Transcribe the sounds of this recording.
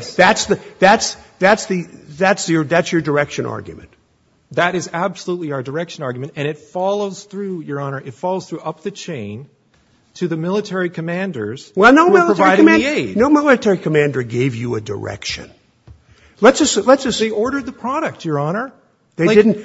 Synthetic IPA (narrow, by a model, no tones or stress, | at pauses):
ðætsðɨðætsðætsðɨðætsjə˞ðætsjə˞də˞ɛkʃɨ̃nʔɑ̰ɹɡjɨ̰mɨ̰̃nt | ðɨɾɨzæbsəlutˡliaʊə˞də˞ɛkʃɨ̃nɑɹɡjmɨ̃ntɨ̃ñɨtfɑlˠoʊz̥θɹʉjə˞ɑnə˞ʔɨtfɑlˠoʊz̥θɹuʔʌp̚ðɨt͡ʃʰẽɪ̃n | tʰɨðɨmɪlˠətʰɛɹikʰɨmæ̃ndə˞z̥wɛlˠnoʊmɪlˠəɹəaiɪɾmæ̃neɪdnoʊmɪlˠətʰɛɹikʰəmæ̃ndə˞ɡeɪvjɨɨdə̰˞ɛ̰kʃɨ̰̃n | lətsʌslətsʌseɪɔɹɾə˞d̪̚ðɨpʰɹ̥ɑɾɨk̚tə˞ɑnə˞ | ðeɪaɪdɪdⁿn̩